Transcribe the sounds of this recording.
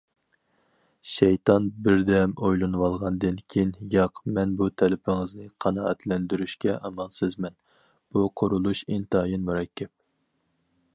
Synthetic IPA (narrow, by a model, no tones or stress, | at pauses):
ʃɛjt̪ʰɑnbɪɾd̪ɛmojlˠɨnwɑlˠʁɑnd̪ɨnkʲʰejnjɑqmɛnbut̪ʰɛlɪpʰɪŋɨznɨqʰɑnɑɛt̪ʰlɛnd̪yɾyʃkʲɛʔɑmɑnsɨzmɛn | b̥uqʰʊɾulˠuʃint̪ɨɑjinmuɾɑkʲʰːɛp̚